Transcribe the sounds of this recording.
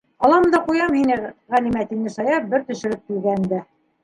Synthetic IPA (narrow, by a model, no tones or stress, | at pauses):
ɒlˠɑmd̪ɑqujɑmhinɘʁælimæt̪innɘsɑjɑp̚bɘɾt̪ɵ̆ʃɘ̆ɾɘp̚kilɡænd̪æ